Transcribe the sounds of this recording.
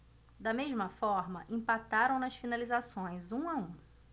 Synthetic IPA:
d̪ɐmeʒmɐfɔɾmɐʔẽpat̪aɾɐ̃w̃nɐsfinalizasõj̃zũaũ

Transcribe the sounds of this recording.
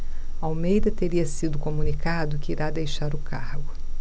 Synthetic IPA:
awmejd̪ɐt̪eɾiɐsid̪ʊkomunikad̪ʊkɪiɾad̪ejʃaɾʊkʰahɡʊ

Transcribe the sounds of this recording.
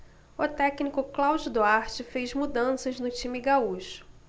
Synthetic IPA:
ʊt̪ɛknikʊklawd͡ʒʊd̪oaɾt͡ʃɪfejzmud̪ɐ̃sɐznʊt͡ʃĩmɪɡauʃʊ̥

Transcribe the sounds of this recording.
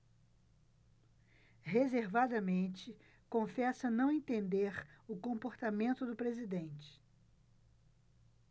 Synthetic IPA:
ɦezeɾvad̪ɐmẽnt͡ʃɪ | kõfɛsɐnɐ̃w̃ẽt̪ẽnd̪eɾʊkõmpoɾt̪amẽnt̪ʊd̪ʊpɾezid̪ẽnt͡ʃɪ̥

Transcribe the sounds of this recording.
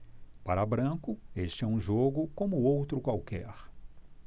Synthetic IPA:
paɾɐbɾɐ̃kʊeʃt͡ʃɪɛũʒoɡʊkõmʊowt̪ɾʊkwawkɛ̰ɾ

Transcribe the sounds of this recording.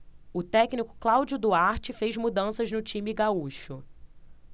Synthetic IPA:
ʊt̪ɛknikʊ̥klawd͡ʒʊd̪uaɾt͡ʃɪfejzmud̪ɐ̃sɐznʊt͡ʃĩmɪɡauʃʊ

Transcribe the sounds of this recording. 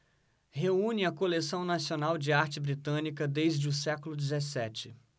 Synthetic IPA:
heũnɪɐkolesɐ̃w̃nasionawd͡ʒɪaɾt͡ʃɪbɾit̪ɐ̃nikɐd̪ejzd͡ʒɪʊsɛkʊlʊd͡ʒɪzesɛt͡ʃɪ

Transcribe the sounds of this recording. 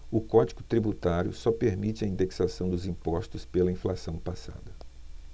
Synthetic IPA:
ʊkɔd͡ʒiɡʊt̪ɾibut̪aɾjʊ̰sɔpeɾmit͡ʃɪɐĩnd̪eksasɐ̃w̃d̪ʊzĩpɔst̪ʊspelɐĩflasɐ̃w̃pasa̰d̪ɐ

